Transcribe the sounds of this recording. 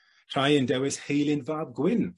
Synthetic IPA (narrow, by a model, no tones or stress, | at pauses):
r̥ajəndɛwɪshejlˠɪnvaːvɡwɪn